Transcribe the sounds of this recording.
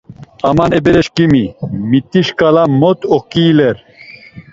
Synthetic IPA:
amanɛbɛɾɛʃkimimit̪iʃkalamɔt̪ɔkiːlɛɾ

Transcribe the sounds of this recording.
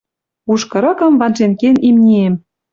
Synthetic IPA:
uʃkɤ̆ɾɤ̆kɤ̆mvɑnʒenkenimnʲiem

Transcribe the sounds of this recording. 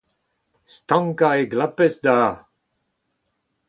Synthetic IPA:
st̪ɑ̃ŋkaeɡlapɛsd̪aː

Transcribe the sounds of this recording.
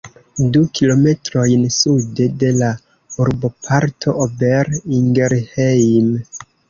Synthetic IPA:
dukʰilo̞me̞tɾo̞jnsude̞de̞la | uɾbo̞pʰaɾtʰo̞ʔobeɾiŋɡeɾhejm

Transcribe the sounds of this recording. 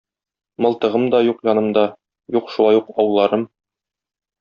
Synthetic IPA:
mɤ̆lˠt̪ɤ̆ʁɤmd̪ɒjuqjɒnɤ̆md̪ɑ | juqʃulˠɑjuqɒwlˠːɑɾɤm

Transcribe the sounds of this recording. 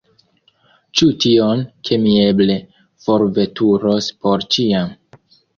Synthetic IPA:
t͡ʃutionkʰe̞mie̞ble̞ | fo̞ɾve̞tuɾospo̞ɾt͡ʃiam

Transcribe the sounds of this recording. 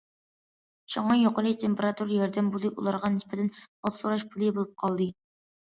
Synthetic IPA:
ʃoŋɑjoqəlˠɨt̪ʰempeɾɑt̪uɾjɑɾd̪ɛmbulˠɨṵlˠɑɾʁɑnɪspɪt̪ʰɛnɑlˠsoɾɑʃpʰulˠɨbolˠup̚qʰɑlˠd̪ɨ

